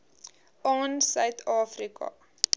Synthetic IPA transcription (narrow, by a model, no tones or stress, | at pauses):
ɑːnsœɥtʰɑːfrikɐ̰